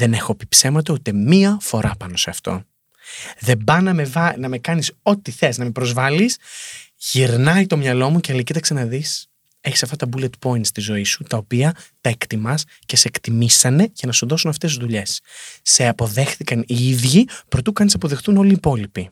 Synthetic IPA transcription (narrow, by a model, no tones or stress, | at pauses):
ðe̞ne̞xopi̥pse̞mɐt̪out̪emiɐfo̞ɾʔɐpɐno̞se̞ɐft̪o̞̰ | ðe̞bɐnɐmevɐnɐme̞kɐniso̞t̪iθe̞znɐmipɾozvɐlisʝiɾnɐjt̪o̞mɲɐlo̞muceɐlicit̪ɐkse̞nɐðis | e̞çisɐft̪ɐt̪ɐbule̞t̪po̞int̪st̪izo̞isut̪ɐopiɐt̪ɐe̞kt̪imɐs | ce̞skt̪imisɐne̞ʝɐnɐsuðo̞sunɐft̪e̞suzðuʎe̞sːe̞ɐpo̞ðe̞xθikɐniiðʝipɾo̞t̪ukɐnisɐpo̞ðexθuno̞liːpo̞lipi